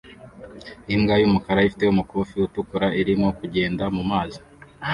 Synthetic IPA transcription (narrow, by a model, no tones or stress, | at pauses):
imɡajumukaɾaifi̥te̞umukuːfiutukuɾaʔiɾimŋo̞kuɟe̞ːndamumaːzi̥